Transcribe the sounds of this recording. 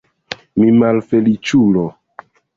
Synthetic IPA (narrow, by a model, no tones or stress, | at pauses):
mimalfelit͡ʃulo